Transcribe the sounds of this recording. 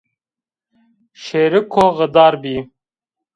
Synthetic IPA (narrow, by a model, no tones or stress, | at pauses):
ʃeːɾikʰoɣəd̪aːɾbiː